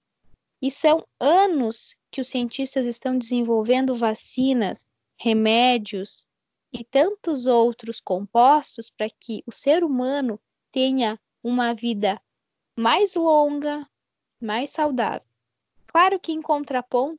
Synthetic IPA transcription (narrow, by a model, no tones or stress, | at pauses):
ɪsɐ̃w̃ɐ̃nʊskɪʊsiẽnt͡ʃist̪ɐzɪst̪ɐ̃w̃d̪ɪzẽvowvẽnd̪ʊvasĩnɐs | hemɛd͡ʒiʊs | ɪt̪ɐ̃nt̪ʊzowt̪ɾʊskõmpɔst̪ʊspɾɐkʰɪʔʊseɾumɐ̃nʊ | t̪ẽɲɐ | ũmɐvid̪ɐ | majzlõɡɐ | majsawd̪a̰vew | klaɾʊkɪẽkõnt̪ɾɐpõnt̪ʊ